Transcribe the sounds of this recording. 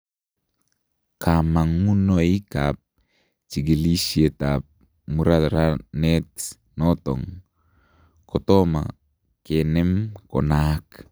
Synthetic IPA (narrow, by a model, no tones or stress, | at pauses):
kamaŋːunoikap̚ | t͡ʃiɡelisietap̚ | muɾaɾanɛt | nɔtɔ̰ŋ | kɔtɔma̰ | kenɛmkɔnak